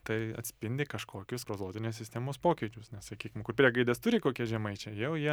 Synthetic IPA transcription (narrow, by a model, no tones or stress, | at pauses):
t̪ɐɪɐ̰t̪ʲsʲpʲɪnʲd̪ʲɪkɐʃkoːkʲʊspɾoːzˠoːt̪ʲɪnʲeːssʲɪsʲt̪ʲæːmoːspoːkʲɛɪt͡ʃʲʊsnʲɛssɐkʲiːkʲɪmkʊrpʲɾʲiɛɡɐɪd̪ɛst̪ʊɾʲɪkoːkʲiɛʒʲɛmɐɪt͡ʃʲɛjɛʊjiɛ